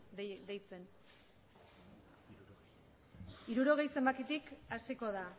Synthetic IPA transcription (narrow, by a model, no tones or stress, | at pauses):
d̪ejt͡se̞n | iɾuɾo̞ɣ̞e̞jse̞mbakit̪ikasiko̞ða